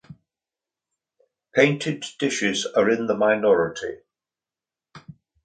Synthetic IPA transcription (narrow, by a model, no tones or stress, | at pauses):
pʰẽɪ̃ntʰɪdɪʃɪzəɹɪ̃nðəmaɪnɒɹɪtʰḭ